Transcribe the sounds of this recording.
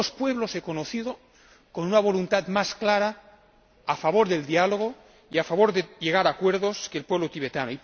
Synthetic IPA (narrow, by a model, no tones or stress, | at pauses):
ospweβlosekonoθiðo | konunaβ̞o̞lunt̪at̪masklaɾaː | faβoɾðe̞ld̪ialoɣ̞o | iafaβo̞ɾðeʎeɣ̞aɾakweɾðoskeːlpweβlot̪iβ̞et̪anoi